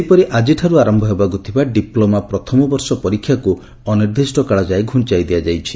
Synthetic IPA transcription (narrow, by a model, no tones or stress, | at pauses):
pɔɾiʔad͡ʒiʈʰaɾuaɾɔmbʱɔɦebaɡut̪ʰibaɖiplomapɾɔt̪ʰɔmɔbɔɾsɔpɔɾikʰːjaku | ɔniɾd̪isʈɔkaɭɔd͡ʒajɡʱuɳt͡ʃajd̪iad͡ʒajt͡ʃʰi̥